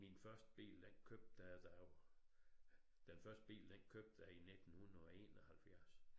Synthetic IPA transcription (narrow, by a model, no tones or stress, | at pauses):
minfɶɐsd̥əb̥ḭːld̥enkʰøb̥̚d̥æd̥æo | d̥enfɶɐsd̥əb̥ḭːld̥enkʰøb̥̚d̥æine̝d̥n̩hun̩ˠɒe̝̰ːnɒhælfjæɐs